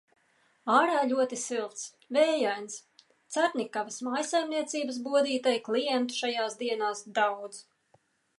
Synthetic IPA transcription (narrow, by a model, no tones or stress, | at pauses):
aːɾaːʎʲuɔt̪isilˠt̪s | vɛːjajns | t̪saɾnʲikavɐsmajsajmniɛt̪siːbəs̬buɔd̪iːt̪ajklˠijɛnt̪u̥ʃajaːsd̪iɛnaːsd̪awd̪z